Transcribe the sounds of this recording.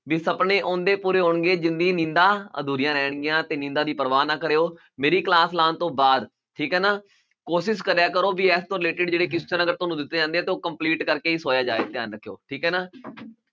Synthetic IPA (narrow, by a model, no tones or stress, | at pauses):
ʋiːsəpɳeːʔõːnd̪eːpuːɾeːɦoːɳɡeːd͡ʒɪnd̪ɡiːnɪ̃nd̪aːə̰d̪uːɾɪjãːɾɛːɳ̃ɡɪjãːt̪eːnɪ̃nd̪aːd̪iːpəɾəʋaːnaːkəɾeːoː | meːɾiːklaːslãːnt̪õːbaːd̪ | ʈʰiːkɦɛːnaː | koːʃɪs̬kəɾjaːkəɾoːʋiːɛːst̪õːɾɪleːʈɪɖd͡ʒeːɽeːkɪst͡ʃəɾəɡəɾt̪oːnũːd̪ɪt̪ːeːd͡ʒãːnd̪eɛ̃ːt̪eːoːkəmpliːʈkəɾkeːiːsoːjaːd͡ʒa̰ːʋḛːt̪ɪjaːnɾəkʰːjo̰ːʈʰiːkɦɛːnaː